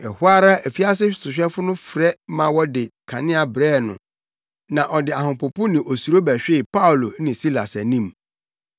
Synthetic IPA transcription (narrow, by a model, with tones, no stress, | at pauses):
ɛ˨hʊ˦a˦ɾa˦æ˨fi˦a˦s̬ɪ˦ɕsʊ˨ɕᶣɛ˦fʊ˦nʊ̃˦fɾɛ˦mã˨wɔ˦dɪ˨kʰa˨nɪ̃˦a˨bɾɛː˦˨nʊ̰̃˨ | nã˨ʔɔ˨dɪ˨a˨hʊ̃˨pʊ˨pʊ̃˦nɪ̃˨ʔo˨su˨ɾo˦bæ˨ɕᶣe˦˨pa˦ʊ˨lo˨˦nɪ̃˨si˦la̰˨sæ˨nĩ˦˨m